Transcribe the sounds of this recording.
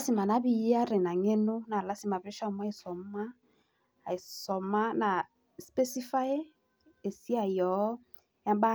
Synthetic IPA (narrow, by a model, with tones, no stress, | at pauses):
si˦˨ma˨na˨˦bi˨ja˦ɾe˨na˨ŋe˦nu˦na˨la˨˦si˦˨ma˨βe˦ʃɔ˦m˦a˦i˨sɔ˨mma˦˨ | i˨sɔ˨ma˦na˨ | spe˦si˦fa˦je˦ | e˨si˦a˨jɔ˨˦ | ja˦m˦ba˦